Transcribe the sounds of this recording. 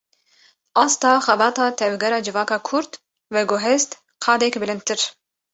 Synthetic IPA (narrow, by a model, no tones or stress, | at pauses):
ʔɑːst̪ɑːxɛbɑːt̪ɑːt̪ʰɛvɡɛɾɑːd͡ʒɨvɑːkɑːkʰuɾt̪ | wɛɡoɦɛst̪ | qʰɑːd̪ɛkbɨlɨnd̪t̪ɨɾ